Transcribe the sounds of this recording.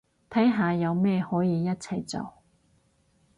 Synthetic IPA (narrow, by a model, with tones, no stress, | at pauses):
t̪ʰɐ˨˥jɦaː˨˧jɐ˨˧wmɛː˥˧hɔː˨˥jiː˨˧jɐ˥t̚t͡sʰɐ˨˧jt͡so̰˨˩w